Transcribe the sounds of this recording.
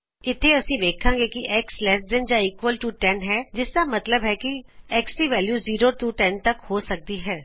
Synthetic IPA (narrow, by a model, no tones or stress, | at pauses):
ɪt̪ʰːeːəsĩːʋ̪eːkʰãːɡeːkiʔɛːkslɛs̬d̪ɪnd͡ʒãːiːkʋəlʈuːʈɛnɦɛːd͡ʒɪsd̪aːmɐt̪ləbɦɛːkiɛːksʈiːʋɛːljuːziːɾoːʈuːʈɛːnt̪əkhoːsək̚d̪iːɦɛː